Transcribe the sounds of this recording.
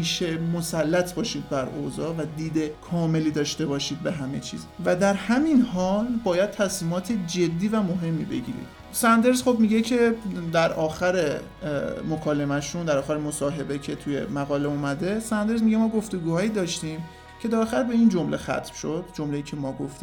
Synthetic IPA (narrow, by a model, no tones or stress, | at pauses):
miːʃemo̞sælːæt̪ʰbɒːʃiːd̪̚bæɾo̰zɒːvæd̪iːd̪ekʰɒːme̞liːd̪ɒːʃt̪e̞bɒːʃiːd̪̚be̞ɦæme̞̰t͡ʃʰḭːzvæd̪æɾhæminɦɒːlbɒːjæd̪̥̚t̪ʰæsmiːmɒːt̪ʰed͡ʒe̞d̪ːiːvæmo̞ɦe̞mːḭbe̞̰ɟḭːɾḭd̪̥ | sænd̪e̞ɾzχo̞bmiɡɟe̞cʰe̞d̪æɾʔɒːxæɾe | mo̞kʰɒːle̞mæʃund̪æɾɒːxæɾemosɒːɦe̞be̞cʰe̞t̪ʰuje̞̰mæɣɒːle̞umæd̪e̞sænd̪e̞ɾzmiɟemɒːɡo̞ft̪o̞ɡuːhɒːjiːd̪ɒːʃt̪iːm | cʰe̞d̪æɾɒːxæɾbe̞iːnd͡ʒo̞mle̞xæ̰t̪ʰmʃo̞d̪̥̚d͡ʒomle̞jiːcʰe̞mɒːɡoft̪i